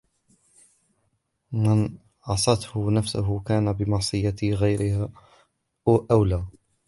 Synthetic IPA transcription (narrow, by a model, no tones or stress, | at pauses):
mɪn | ʕɑsˤɑt̪hʊnafsʊɦʊkaːnabɪmɑʕsˤɨjːaɣajɾɪha | ʔʔawlaː